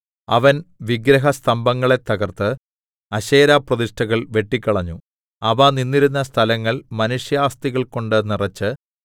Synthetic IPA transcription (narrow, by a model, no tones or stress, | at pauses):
ɐʋɐnʋiɡɾɐɦɐst̪ʰɐmbɐŋːɐɭe̞t̪ːɐɣɐrt̪ɨ | ɐɕeːɾaːprɐðiʂʈʰɐɣɐɭʋe̞ʈːikʲːɐɭɐɲːu | ɐʋaninːiɾunːɐst̪ʰɐlɐŋːɐɭmɐnuʂjaːst̪iɣɐɭko̞ɳɖɨnirɐt͡ɕːɨ